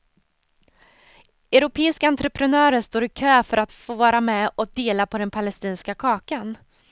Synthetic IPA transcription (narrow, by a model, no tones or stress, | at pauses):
ɛʉɾʊpʰeːɪskaant̪ɾɛpʰɾɛnœːɾəʂt̪oːɾɪkʰøːfœɾʔat̪foːvɑːɾamɛɔk̚d̪eːlapʰɔd̪ɛnpʰalɛst̪iːnskakʰɑːkan